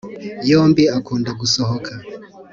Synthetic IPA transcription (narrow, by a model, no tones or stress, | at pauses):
jɔmbiakʰundak̬usɔhɔkʰa